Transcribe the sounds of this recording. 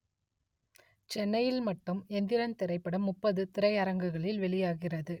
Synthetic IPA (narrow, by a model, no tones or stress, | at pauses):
t͡ʃɛnːɐjɪlmɐʈːɯmɛnd̪ɪɾɐnt̪ɪɾɐɪpːɐɽɐmːʊpːɐðɯt̪ɪɾɐɪɐɾɐŋɡɯɣɐɭɪlʋɛɭɪjaːɣɪrɐðɯ